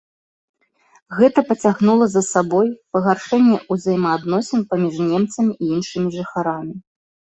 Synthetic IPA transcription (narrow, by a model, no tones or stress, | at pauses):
ɣɛt̪ɐpɐt͡sʲaɣnulˠɐzɐsabɔjpɐɣarʂɛnʲːɛʔuzɐjmɐːd̪nɔsʲɛnpamʲiʐnʲɛmt̪sɐmʲiʔiinʂɨmʲiʐɨxaɾamʲi